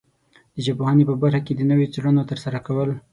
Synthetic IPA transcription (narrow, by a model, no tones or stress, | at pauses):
d̪̥əd͡ʒabohɑnepəbaɾxaked̪ənəwot͡seɽənot̪əɾsaɾakawəl